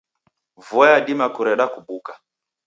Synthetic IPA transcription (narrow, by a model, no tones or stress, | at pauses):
vɔjaɗimakuɾɛɗakuɓuka